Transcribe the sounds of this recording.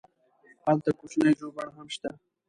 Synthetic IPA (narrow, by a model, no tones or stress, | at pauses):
halt̪akot͡ʃnajʒobaɽɦamʃt̪a